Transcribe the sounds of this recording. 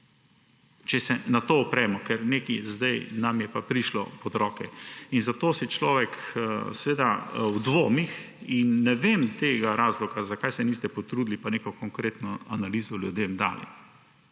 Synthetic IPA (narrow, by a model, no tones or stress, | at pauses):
t͡ʃɛsɛnat̪oːpɾɛːmɔkɛɾneːkizd̪ajnamjɛpapɾiʃlɔ̰pɔd̪ɾɔːkɛinzat̪oːsit͡ʃlɔʋɛksɛʋeːd̪awd̪ʋoːmix | inːɛʋemt̪eːɡaɾaːzlɔɡazakajsɛnist̪ɛpɔt̪ɾud̪lipaneːkɔkɔŋkɾeːt̪nɔanaliːzɔljud̪emd̪a̰ːlḭ